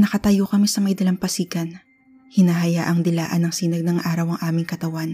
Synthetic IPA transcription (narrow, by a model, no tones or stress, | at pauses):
nɐkɐt̪ɐjokɐmisɐmɐjd̪ɐlɐmpɐsiːkɐn | hɪnaːɦɐjaːʔɐŋd̪ɪlaːʔɐnɐŋsiːnɐɡ̚nɐŋʔaːɾɐwɐŋʔaːmɪŋkɐt̪ɐwan